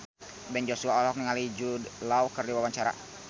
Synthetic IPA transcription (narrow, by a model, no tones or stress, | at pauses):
bɛnd͡ʒosuaɔlɔk̚niŋalid͡ʒudlaukərdiwawaɲt͡ʃaɾa̰